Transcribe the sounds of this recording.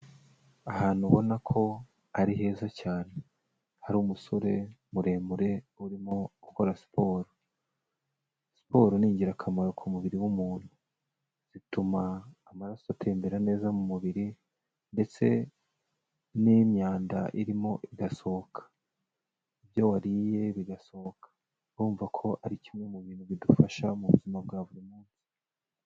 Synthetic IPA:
ahaːn̥huβo̞̰nakʰo̞ | aɾiɦe̞ːzacaːne | haɾuːmuso̞ɾe̞muɾe̞muɾe̞ | uɾimo̞ɡuko̞ɾasi̥pʰo̞ːɾo | si̥po̞ːɾoniːɲɟiɾakʰamaɾokʰumuβiɾiwumuːn̥hu | z̥itumaː | maɾasoatʰe̞ːmbeɾane̞ːzamumuβiɾi | nde̞t͡se̞̰ | nimɲaːnda̰ʔiɾimo̞ʔiɡaso̞kʰḁ | ibjo̞waɾije̞βiɡaso̞okʰḁ | ɾuːɱvakʰo̞ʔaɾicimŋe̞muβiːn̥huβidufaʃamuβṵzimabɡaːβuɾimuːnsi̥

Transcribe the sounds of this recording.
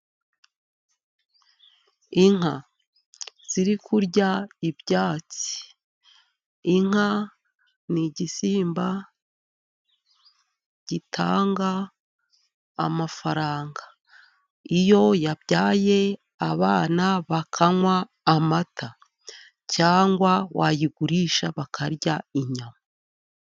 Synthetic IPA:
iŋ̥a | z̥iɾikuɾɟaibjaːt͡si̥ | ŋ̥a | niɟisiːmba | ɟ̥itʰa̰ːŋɡa | mafaɾaːŋɡa | ijo̞jabɟaːje̞ | aβaːnaβakʰaŋwaː | matʰa | caːŋɡwawʔajiɡuɾiːʃaβakʰaɾɟaiɲama

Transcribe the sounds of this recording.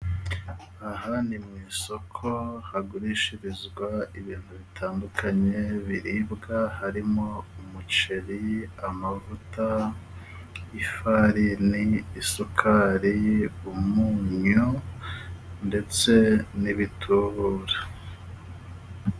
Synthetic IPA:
ahanimŋiːso̞kʰo̞haɡuɾiʃiɾizɡwaiβiːn̥huβitʰaːndukʰaɲe̞βiɾiːbɡahaɾimo̞umut͡ʃeɾiamavuta | ifaɾiniːsukʰaːɾiumuːɲu | nde̞t͡se̞niβitʰuβuːɾḁ

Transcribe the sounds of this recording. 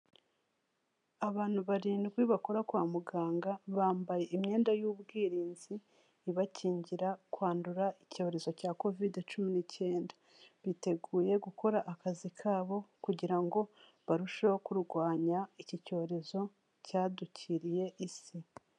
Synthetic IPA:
aβaːn̥huβaɾiːnɡwiβako̞ɾakwaːmuɡaːŋɡaβaːmbaje̞ʔimɲe̞ːndajuːβɡiːɾiːnziː | βacʰiːɲɟiɾakwaːnduɾaico̞ːɾe̞zo̞caːko̞videt͡ʃuminice̞ːndḁ | βite̞ɡuːje̞ɡuko̞ɾaʔakazikʰaːβo̞kuɟiɾaŋɡo̞ | βaɾuʃaokuɾɡwaːɲaicico̞ːɾe̞zo̞ | caːduciɾije̞ʔisi

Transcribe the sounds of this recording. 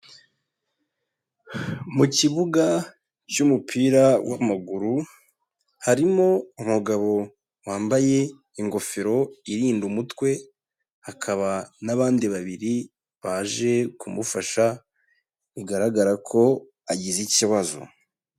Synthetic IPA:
muciβuɡa | cumupʰiːɾawamaɡuɾu | haɾimo̞umuɡaβo̞ | waːmbaje̞ | iŋɡo̞feɾo̞iɾiːndumutwe̞ | hakʰaβanaβaːndiβaβiɾi | βaʒe̞kʰumufaʃa | iɡaɾaɡaɾakʰo̞ | aɟiziciβazo̞̰

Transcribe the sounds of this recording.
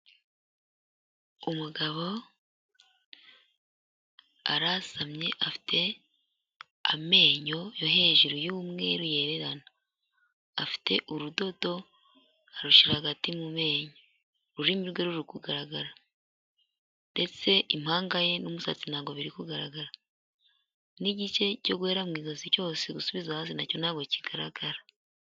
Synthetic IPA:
umuɡaβo̞ | aɾasamɲe̞ʔafi̥tʰe̞ | a̰me̞ːɲo̞jo̞ɦe̞ːʒuɾojuːmŋe̞ɾuje̞ɾe̞ɾanaː | fi̥te̞ʔuɾudo̞to̞ | haɾuʃiɾahaɡatimume̞ːɲo | ɾuɾimiɾɡwe̞ɾuɾikuɡaɾaɡaɾa | nde̞t͡se̞ʔimhaːŋɡaje̞numusat͡sinaːɡoβiɾikuɡaɾaɡaɾa | niɟit͡ʃe̞co̞ɡwe̞ːɾamŋiːzozico̞ːse̞ɡusuβizahaːzenaco̞naːɡo̞ci̥ɡaɾaɡaɾa

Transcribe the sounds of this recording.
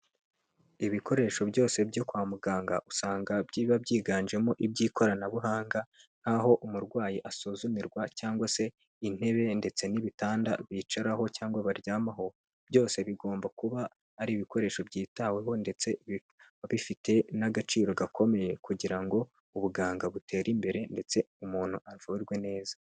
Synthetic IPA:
iβikʰo̞ɾe̞ːʃo̞bɟo̞ːse̞bɟo̞kwaːmuɡaːŋɡa̰ʔusaːŋɡabɟiːβabɟiːɡaːnd͡ʒe̞moʔibɟiːko̞ɾanaβuɦaːŋɡanaɦo̞ʔumuɾɡwaːjiʔasuzumiɾɡwacaːŋɡwase̞ | in̥he̞βe̞nde̞t͡se̞niβitaːnda̰βiːt͡ʃaɾaɦo̞caːŋɡwaβaɾjaːmaɦo̞ | b̥jo̞ːse̞βiɡo̞ːmbakuβaː | ɾiːβiko̞ɾe̞ːʃo̞bɟiːtawe̞ɦo̞nde̞t͡se̞ | βifite̞naɡat͡ʃiːɾo̞ɡakʰo̞me̞je̞kuɟiɾaŋɡo̞ | uβuɡaːŋɡaβutʰe̞ːɾimbe̞ɾe̞nde̞t͡se̞umuːn̥huʔaʒuɾɡwe̞ne̞ːza

